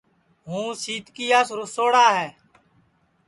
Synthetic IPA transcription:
ɦũːsiːt̪kiːaːsɾʊsoːɽaːɦɛː

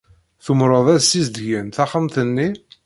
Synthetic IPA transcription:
θʊmɾˤəðˤæsizd̪ʝænθɑχəmθənːi

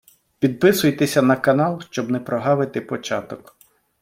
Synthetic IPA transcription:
pʲid̪̚pɪsʊjt̪esʲɐnɐkɐnɑlˠʃt͡ʃɔbnɛpɾɔɦɑʋɪt̪ɪpɔt͡ʃɑt̪ɔk

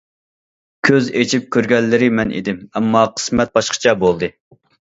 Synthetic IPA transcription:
kʲʰøzet͡ʃʰip̚kʲøɾɡʲɛlːɪɾɪmɛnʔḛd̪ɪmɛmːɑqʰə̥smɛt̪̚bɑʃqʰə̥t͡ʃʰɛbolˠd̪ɨ

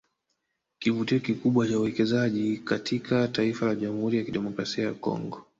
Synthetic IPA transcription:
kivutiɔkikuɓwat͡ʃauwɛkɛzaʄikatʰikataifalaʄamuhuɾijakiɗɛmɔkɾasiaja̰kɔ̰ŋɡɔ

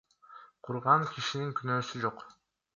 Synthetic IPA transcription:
qʰuɾʁɑŋkʲʰiʃiniŋkynøːsyd͡ʒo̞q

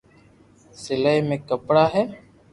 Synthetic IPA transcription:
sɪləjmẽːkəpɽaːɦeː

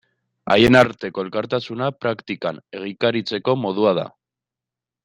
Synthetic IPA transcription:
a̰jenaɾt̪e̞ko̞e̞lkaɾt̪asunapɾakt̪ikane̞ɣ̞ikaɾit͡se̞ko̞mo̞ðuað̞a̰

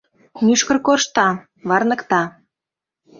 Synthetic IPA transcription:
nyʃkə̆rkoʃt̪ɑ | βɑrnə̆kt̪ɑ

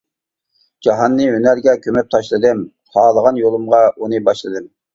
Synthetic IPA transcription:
d͡ʒɑɦɑnːɨønæɾɡʲɛkʲʰømɛp̚t̪ʰɑʃlˠɨd̪ɨm | hɑːlˠəʁɑnjolˠumʁɑunɨbɑʃlˠɨd̪ɨm

